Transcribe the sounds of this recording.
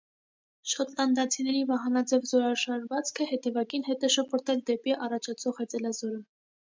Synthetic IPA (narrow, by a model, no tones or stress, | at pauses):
ʃɔt̪ʰlɑnd̪ɑt͡sʰinɛɾivɑɦɑnɑd͡zɛvzɔɾɑʃɑɾvɑt͡skʰəhɛt̪ɛvɑkinɦɛt̪ɛʃɔpʰɔɾt̪ʰɛld̪ɛpiʔɑrɑt͡ʃʰɑt͡sʰɔʁhɛt͡sɛlɑzɔɾə